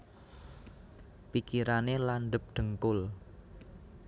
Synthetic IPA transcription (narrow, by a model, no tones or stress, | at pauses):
pikiɾanelanɖ̪əp̚ɖ̪̥ə̤ŋkʊl